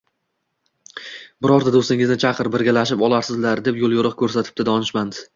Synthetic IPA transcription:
bɪɾɒɾd̪ad̪ost̪ɪŋɪznɪt͡ʃʰɑqʰɨɾbɪɾɡʲalaʃ̬ɪpɒlˠaɾsɪzlaɾd̪e̞pjolˠjʊɾɨqkʲʰɵɾsat̪ʰɪ̥p̚t̪ɪd̪ɒnɪʃmand̪ɪ

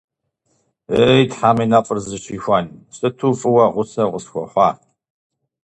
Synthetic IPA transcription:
ejtħaːmiːnɐfʼɨrzɨʃiːxʷansɨtʰuːfʼɨwɐʁʷʊsɐʁʷʊsxʷɔ̰ħʷɑː

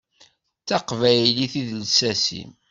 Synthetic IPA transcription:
t͡sːɑqvæjliθiðlsæsḭm

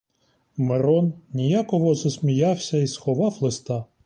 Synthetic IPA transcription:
meɾɔnnʲijakɔɦɔzɔsʲmʲijɑwsʲɐisxɔʋɑwlˠest̪ɑ

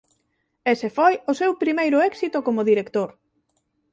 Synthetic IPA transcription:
esefojʊsewpɾimejɾʊɛksit̪ʊkomʊðiɾekt̪oɾ

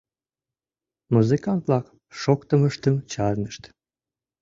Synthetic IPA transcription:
muzɨkɑnt̪lɑq | ʃokt̪əməʃt̪əmt͡ɕɑɾnəʃt̪

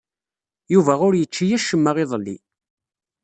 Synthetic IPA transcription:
juvæʊɾjət͡ʃːijæʃəmːəʁɪðˤəlːḭ

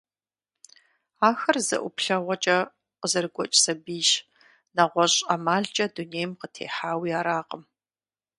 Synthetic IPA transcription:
aːxɐrzɐ̰ʔʷʊ̰pɬɐʁʷɔt͡ʃʼɐ | qəzɐrɡʷɔt͡ʃʼsɐbiːʃ | nɐʁʷɔɕʼɐmaːɮt͡ʃʼɐduneːjmqətʰḛːħaːwiːaːɾaːqəm

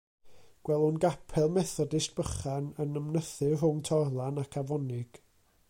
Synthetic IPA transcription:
ɡ̥wɛlˠʊnɡapʰɛlˠmɛθɔdɪst̚b̥əχanənəmnəθɨrʊŋtʰɔrlˠanakʰavɔnɪɡ̥

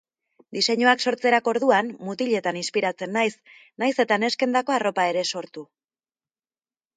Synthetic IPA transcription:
d̪ise̞ɲoakso̞ɾt͡se̞ɾako̞ɾðuanmut̪iʎe̞t̪aninspiɾat͡se̞nːajs | najse̞t̪ane̞ske̞nd̪ako̞aro̞pae̞ɾe̞so̞ɾt̪u

